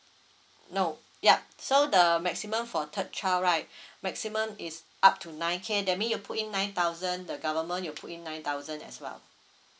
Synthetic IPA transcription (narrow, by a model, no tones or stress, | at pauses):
no | jasodəmɛksimə̃mfɔtʰət̚t͡ʃʰaɹaɪt̚mɛksimə̃mis | ʔap̚tʰunãɪ̃nkʰedɛt̚mĩnjupʰutĩnːãɪ̃nt̪aʊzə̃ndəɡavəmə̃njulpʰutĩnːãɪj̃nt̪aʊzə̃nɛ̰swɛ̰l